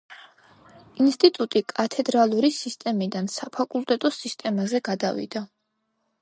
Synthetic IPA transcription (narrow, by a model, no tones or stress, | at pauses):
inst̪ʼit̪ʼut̪ʼikʼat̪ʰɛd̪ɾalˠuɾisist̪ʼɛmid̪ansapʰakʼulˠt̪ʼɛt̪ʼɔsist̪ʼɛmazɛɡad̪avḭd̪a